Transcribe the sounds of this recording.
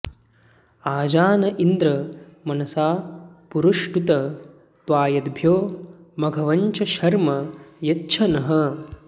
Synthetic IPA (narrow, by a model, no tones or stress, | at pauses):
aːd͡ʒaːnɐʔind̪ɾɐmɐnɐsaːpuɾuʂʈut̪ɐ | t̪ʋaːjɐd̪bʱjoːmɐɡʱɐʋɐɲt͡ʃʰɐʃɐɾmɐjɐtːʃʰɐnɐɦɐ